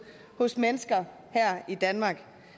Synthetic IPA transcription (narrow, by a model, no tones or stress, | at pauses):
hɔ̽smenəsɡ̥ɐ | hæɐ̰id̥ænmɑ̈ːɡ̥